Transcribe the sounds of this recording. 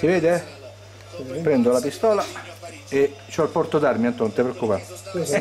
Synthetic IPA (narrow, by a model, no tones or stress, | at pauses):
siveːd̪eɛ | pɾɛnd̪olapist̪ɔːla | et͡ʃːɔlpɔrt̪od̪armiant̪ont̪epɾeokːupa